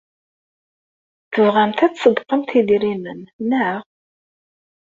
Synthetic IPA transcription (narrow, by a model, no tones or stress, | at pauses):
θəvʁamt̪æt͡ssəd̪qəmt̪iðiɾimənnaʁ